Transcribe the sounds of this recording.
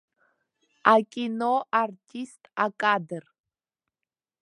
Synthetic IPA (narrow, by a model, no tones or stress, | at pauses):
akʲʼinoʔartʰistʼakʼadɨr